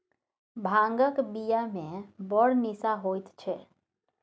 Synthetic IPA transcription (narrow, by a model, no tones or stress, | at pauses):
bʱãːŋɡəkbijamẽbəɽnisaɦoːt̪t͡ʃʰɛː